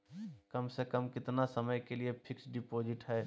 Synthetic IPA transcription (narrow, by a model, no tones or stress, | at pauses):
kəmsekəmkɪt̪nasəməjkeliepʰɪksɖɪpoːd͡ʒɪʈɦɛː